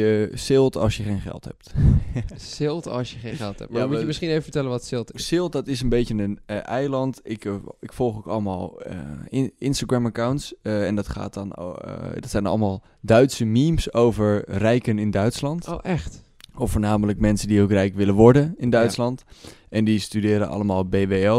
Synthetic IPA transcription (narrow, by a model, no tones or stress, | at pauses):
əsɪlˠtɑ̰sjəχejnχɛ̰lˠtɦɛ̰p̚t | sɪlˠtɑ̰sjəχejnɛlˠhɛ̰muəmɪsχinejvəvətɛlənʋɔtsɪlˠtɪsɪlˠt̚dɑtɪsənbejcənənɛjlɑntɪkɪkfɔlˠχokɑləma̰ːl̰ˠ | ɪnstaɡɹamakawntsɛndɑtχa̰ːt̚dɔn̰dɔtsɛjnɑ̰lˠəmaːlˠ | dœɥtsəmimsowvəɹrɛjkənɪndœɥtslɑntoʔɛχt | ɔfoːɹnaːmələkmɛnsəndiowkrɛjkʋɪlənʋɔɹdənɪndœɥslɑntʔɛndistydɪːɾə̰ʔɑ̰ləmaːlˠbeːʋeːɛ